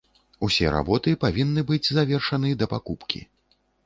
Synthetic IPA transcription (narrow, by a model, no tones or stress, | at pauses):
usʲɛɾa̰bɔt̪ɨpavʲinːɨbɨd͡zʲzavʲɛrʂɐnɨd̪ɐpakupkʲḭ